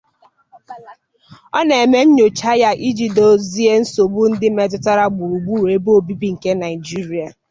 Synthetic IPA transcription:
ɔ˦n˨e˨me˦ɲ̩˦ɲo˨t͡ʃa˦ja˦ʔi˦d͡ʒi˨do˨zi˦e˦n̩˦so˨ɡ͡bu˦n̩˦dɪ˦me˦tʊ˦ta˦ɾa˦ɡ͡bu˨ɾu˨ɡ͡bu˦˨ɾe˨bo˦o˦˨bi˦bi˦ŋ̩˨ke˦na˨ɪ˨d͡ʒi˦ɾi˨a˨

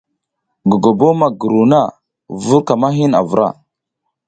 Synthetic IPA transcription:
ɡu˨ɡo˨bo˦ma˨ɡu˨ɾu˨na˦˨ | vu˦ɾka˨ma˦ɦi˦na̰˨vu˨ɾa̰˦˨

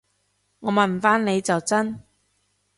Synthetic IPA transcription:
ŋɔː˨˧mɐ˨˩n˨faː˥nne˨˧jt͡sɐ˨wt͡sɐ˥n

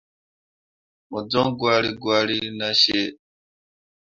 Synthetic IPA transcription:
mu˨d͡zɔ˦ŋɡwa˦li˦ɡwa˦li˦i˦na˦ʃe˦

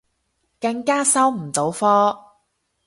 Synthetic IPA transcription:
kɐ˧ŋkaː˥sɐ˥wm̩˨˩t͡so˨˥wfɔː˥

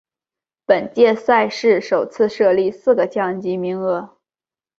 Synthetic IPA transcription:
pə˨˩nt͡ɕjɛ˥˧sa˥˧ɪʂɻ̩˥˩ʂo˨˩ʊt͡sʰɹ̩˥˧ʂɤ˥˧li˥˧sɹ̩˥˩ɡə˩t͡ɕjɑ˥˩ŋt͡ɕi˧˥mi˧˥ŋɤ˥˩

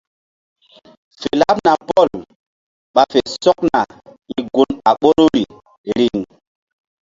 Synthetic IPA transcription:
fe˨la˦p̚na˨pɔ˦˨l | ɓa˨fe˨sɔ˦k̚na˨ | i˨ɡu˨na˨ɓo˦ɾu˦ɾi˨ | ɾi˨ŋ

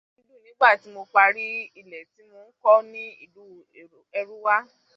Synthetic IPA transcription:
i˧lu˦˨nĩ˨˦ɡ͡ba˦˨ti˨˦mo˧k͡pa˧ɾi˦i˧lɛ˨ti˨˦mo˧n̩˦kɔ˦nĩ˦ḭ˦˨lu˨˦˨ | ɛ˧ɾu˦wa˦

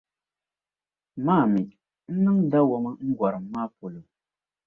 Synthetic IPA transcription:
maː˦˨mi˨ | n̩˦nɨ˦ŋda˦wɔ˦ma˦ŋ̩˦ɡʷa˨ɾɨ˨mːaː˦po˨lo˨

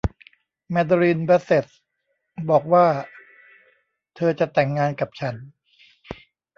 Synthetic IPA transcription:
mɛ˧d̪a˧ɾiː˧nba˦˥se˨˩t̪̚ | bɔː˨˩k̚waː˥˩ | t̪ʰɤː˧t͡ɕa˨˩t̪ɛ˨˩ŋːaː˧nka˨˩p̚t͡ɕʰa˦˥n

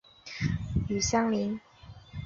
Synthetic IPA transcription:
y˨˩ɕɑ˥ŋli˧˦˥n

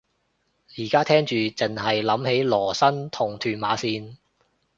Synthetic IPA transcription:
jiː˨˩kaː˥t̪ʰɛː˥ŋt͡ʃyː˨t͡sɪ˨˩ŋɦɐ˨jlɐ˨˥mhe˨˥jlɔː˨˩sɐ˥nt̪ʰʊ˨˩ŋt̪ʰyː˨˧nmaː˨˥siː˧n

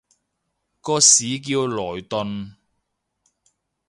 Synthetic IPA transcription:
kɔː˧siː˨˥k̬iː˧wlɔː˨˩jt̪ɵ˧n

